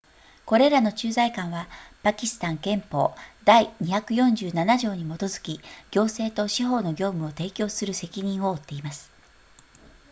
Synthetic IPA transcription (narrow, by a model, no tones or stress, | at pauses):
ko̞ɾe̞ɾano̞t͡ɕɨːzaikãɰ̃βapakʲisɨ̥t̪ãŋkẽ̞mpo̞̰ːd̪aiɲ̟içakɯ̟jõ̞ɲ̟d͡ʑɨːnanaʑo̞ːɲ̟imo̞t̪o̞zɨ̥kʲiɡʲo̞ːse̞ːt̪o̞ɕiɦo̞ːno̞ɡʲo̞ːmɯ̟ot̪e̞ːkʲo̞ːsɨɾɯ̟se̞kʲiɲ̟ĩɰ̃o̞ːt̪ːe̞imasɨ̥